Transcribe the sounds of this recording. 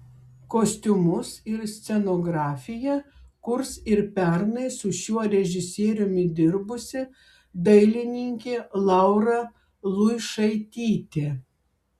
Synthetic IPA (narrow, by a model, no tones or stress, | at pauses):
koːsʲt̪ʲʊmʊsɪɾsʲt̪sʲɛnoːɡɾɑːfʲɪjɛkʊɾsɪɾpʲɛɾnɐɪsʊʃʲuɔɾʲɛʒʲɪsʲeːɾʲʊmʲɪd̪ʲɪɾbʊsʲɪ | d̪ɐɪlʲɪnʲɪŋʲkʲeːlˠɑˑʊɾɐ | lˠʊɪʃɐɪt̪ʲiːt̪ʲe